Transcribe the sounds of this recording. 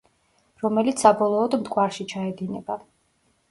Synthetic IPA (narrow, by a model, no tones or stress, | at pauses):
ɾɔmɛlit̪ssabɔlˠɔːd̪md̪ɡʼwaɾʃit͡ʃʰaɛd̪inɛba